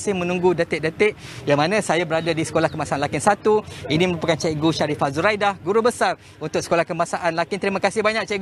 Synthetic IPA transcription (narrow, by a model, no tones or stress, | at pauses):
sɪhmə̃nũŋɡudət̪ɪʔ̚dət̪ɪʔ̚jaŋmanãsajabəɾadadisə̥kolahkəmasaanlakɪnsat̪uinĩməɾupakant͡ʃaɡuʃaɾifazuɾajdahɡuɾubəsar | unt̪ʊksəkolahkəmasaʔanlakɪnt̪əɾimakasɪhbaɲak̚t͡ʃaɡ